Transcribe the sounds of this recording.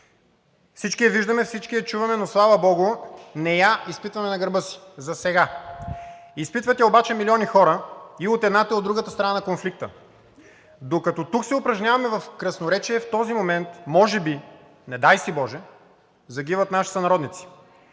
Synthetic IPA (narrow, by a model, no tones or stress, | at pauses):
fsit͡ʃkiɛviʒd̪ɐmɛfsit͡ʃkiɛt͡ʃuvɐmɛnoslˠavɐbɔɡʊnɛjaispit̪vɐmɛnɐɡɐɾbɤsi̥zɐsɛɡa | ispit̪vət̪ʲɛobat͡ʃɛmilʲiɔnixɔɾəiot̪ɛd̪nat̪iod̪ːɾuɡət̪ə̥st̪ɾɐnanɐkonflik̚t̪ə | d̪okɐt̪ɔt̪uksɛʊpɾɐʒnʲjavɐmɛvɐfkɾɐsnoɾɛt͡ʃiɛft̪ɔzimomɛnt̪mɔʒɛbi | nɛd̪ajsibɔʒɛ | zɐɡ̟ivɐt̪naʃi̥sɐnɐɾɔd̪nit̪si̥